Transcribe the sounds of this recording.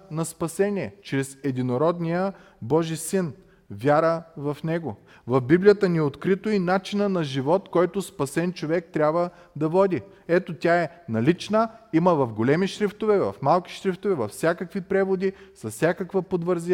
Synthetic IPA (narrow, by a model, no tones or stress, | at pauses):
nɐspɐsɛniɛt͡ʃɾɛsɛd̪inoɾɔd̪nijə | bɔʒisin | vʲjaɾəvɐfnɛɡo | vɐfbiblijət̪əniot̪kɾit̪oinat͡ʃinənɐʒivɔt̪kɔjt̪ospɐsɛnt͡ʃovɛk̚t̪ɾʲabvə | d̪ɐvɔd̪i | ɛt̪ot̪ʲaɛnɐlit͡ʃnəiməvɐfɡolɛmiʃɾift̪ovɛvɐ̰fmalˠki̥ʃɾift̪ovɛvɐfsʲakəkvipɾɛvod̪isɐssʲjakəkvəpod̪vəɾz